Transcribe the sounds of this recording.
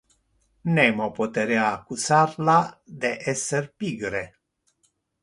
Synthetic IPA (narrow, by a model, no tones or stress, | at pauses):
nemopot̪eɾeaːkusarlad̪eʔeserpiɡɾe